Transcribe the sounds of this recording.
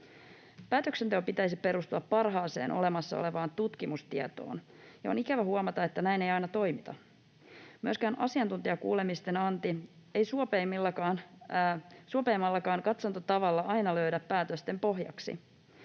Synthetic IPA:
pæːt̪øksent̪eopit̪æjsipe̞ɾust̪uɑpːɑrɦɑːse̞̰ːnʔo̰le̞mɑsːɑ̰o̰le̞ʋɑːnt̪ut̪kimust̪iɑt̪o̰ːn | jɑonikæʋæhuɑmɑt̪ɑet̪ːænæjne̞jɑjnɑt̪o̞jmit̪ɑ̰ | myøskæːnʔɑ̰siɑnt̪unt̪iɑkṵːle̞mist̪e̞nɑnt̪ie̞jsuopemilːɑkɑːn | suopeːmːɑlːɑkɑːŋkɑt̪sɑnt̪ot̪ɑʋɑlːɑʔɑjnɑlø̞ɥdæpːæːt̪øst̪empo̞ɦjɑ̰ksḭ

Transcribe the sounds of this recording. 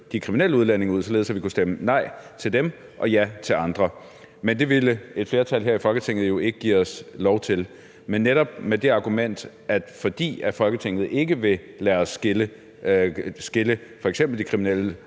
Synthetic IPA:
d̥ikʰʁiminel̰əuð̞ˠlæn̰e̝ŋuð̰ˠsɒe̝ːðˠsæʋikʰusd̥emənɑ̈ɪ̰t͡sʰe̝ld̥em | ʔɒ̽jæt͡sʰe̝lɑ̈nd̥ʁɐ | mend̥e̝ʋiləe̝d̥fle̝ɐt͡sʰælɦeɐifɒ̽lɡ̥ət͡sʰeŋ̰ð̩jo̝e̝ɡ̥əɡ̥ḭːɒ̽slɒʊt͡sʰe̝l | menːeɾɒ̽b̥̚med̥e̝ɑ̈ɡ̥umen̰d̥ | ʔæd̥fɒ̽d̥ḭːæɐfɒ̽lɡ̥ət͡sʰeŋ̰ð̩ˠe̝ɡ̥əʋe̝ | læɐɒsɡ̥elə | sɡ̥e̝ləfɒ̽eɡ̥sem̰b̥l̩d̥ikʰʁiminel̰ə

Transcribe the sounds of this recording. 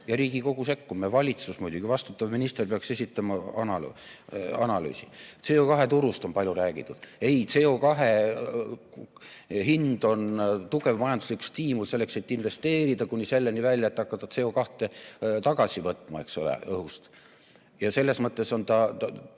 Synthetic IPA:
jɑɾiːɡ̥iko̞ɡ̥use̞kːumevɑlʲit̪susmujd̪uɡ̥ivɑst̪ut̪ːˑɑvminist̪erpeɑkse̞sʲit̪ːˑɑmɑɑnɑl | ɑnɑly̰ːsit̪se̞ːokɑɦe̞t̪uɾust̪o̞npɑlʲjuɾæːɡ̥it̪ːˑud̪̥e̞jt̪se̞ːo̞kɑɦe | ɦind̪̥o̞nt̪uɡe̞vmɑjɑnd̪usliku̥st̪iːmulse̞lːekse̞t̪ːˑinve̞st̪e̞ːɾid̪̥ɑkunʲːise̞lːenivælʲjɑet̪ːˑɑkːɑt̪ːˑɑse̞okɑht̪ˑe̞t̪ɑɡ̥ɑsʲivɤt̪ˑmɑe̞̰ksolḛɤhust̪ | jɑse̞lːe̞smɤt̪ˑːe̞so̞nt̪ɑt

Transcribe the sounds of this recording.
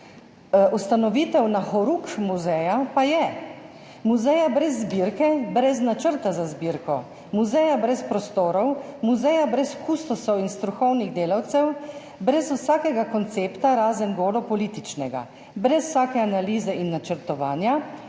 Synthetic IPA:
ust̪anɔʋiːt̪ɛwnaxɔɾukmuzɛjapajɛ | muzɛjabɾɛzːbiɾkɛbɾɛznat͡ʃəɾt̪azazbiɾkɔ | muzɛjabɾɛspɾɔst̪oːɾɔwmuzɛjabɾɛsxust̪ɔsɔwinst̪ɾuxɔwniɣd̪eːlawt̪sɛw | bɾɛswsaːkɛɡakɔnt̪seːpt̪aɾaːzənɡoːd̪ɔpɔliːt̪it͡ʃnɛɡa̰ | bɾɛsw̥saːkɛanaliːzɛʔinːat͡ʃəɾt̪ɔʋaːnja

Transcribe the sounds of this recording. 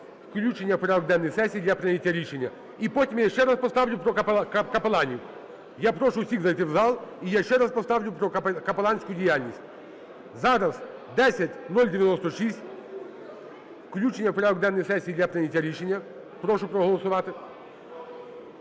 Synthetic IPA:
fklʲut͡ɕɪnʲɪjəfpɾaɔɡ̚d̪ɛnːəjsɛsʲiːd̪lʲapɾʲɐnʲɪtʲjəɾʲiʂɛnʲjə | ipotʲɪmjaɪʃɕːɛɾaspɐst̪avlʲʊpɾɔkkɐpɐlˠanʲɪjʊ | japɾoʂʊʊsʲiɣzɐɛt̪ɪvzalˠijaɪɕːɛɾaspɐst̪avlʲʊpɾɔkɐpɐlˠanʲsʲkʊjʊdʲɪjalʲnəsʲt̚ʲ | zaɾɐsd̪ɛsʲɐtʲnolʲdʲɪvʲɪnost̪əʂisʲtʲ | fklʲut͡ʃɪnʲjəfpɾaɔɡd̪ɛnːəjsɛsʲːiːd̪lʲapɾʲɐnʲɪtʲjəɾʲiʂɛnʲjə | pɾoʂʊpɾəɦəlˠəsʊvat̪ɨ

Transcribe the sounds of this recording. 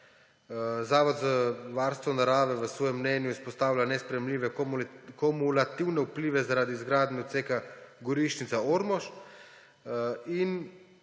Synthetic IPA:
zaːʋɔd̪zəʋaɾst̪ʋɔnaɾaːʋɛʋəsʋɔːjɛmːnɛːnjuispɔst̪aːwlʲanɛspɾɛjɛmlʲiːʋɛkɔmulat̪iwnɛupliːʋɛzaɾaːd̪iːzɡɾaːd̪niɔt̪seːkaɡɔɾiʃnit̪saoɾmɔʃ | in

